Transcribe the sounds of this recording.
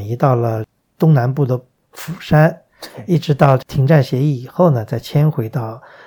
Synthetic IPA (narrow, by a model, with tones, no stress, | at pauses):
i˧˥t̪ɑ˥˩ʊlə˩ | t̪ʊ˥ŋna˧˥npu˥˩d̪ə˩ | fu˨˩ʂa˥n | i˥˩ʈ͡ʂɻ̩˧˥t̪ɑ˥˧ʊʈ͡ʂt̪ʰi˧˥ŋʈ͡ʂa˥˩nɕjɛ˧˥i˥˩i˨˩xo˥˩ʊnə˩t͡sa˥˩ɪt͡ɕʰjɛ˥nxwe˧˥ɪt̪ɑ˥˩ʊ